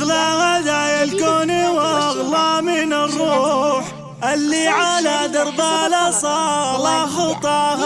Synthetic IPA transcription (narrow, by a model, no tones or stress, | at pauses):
ɣlaɣaðaːjalkoːniwɑɑɣlɑmɪnrˤːuːħ | ʔalːiʕalad̪ɑɾˤb̪alasˤɑlɑxʊt̪ˤɑh